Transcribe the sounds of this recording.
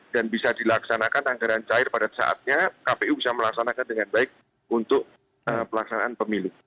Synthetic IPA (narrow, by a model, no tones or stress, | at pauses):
danbisadilaksanakanaŋɡaɾant͡ʃaɪrpadasa̰ʔa̰t̪̚ɲakapeubisaməlaksanakandəŋanbaɪk̚ | unt̪ʊk̚ | əpəlaksanaʔanpəmilu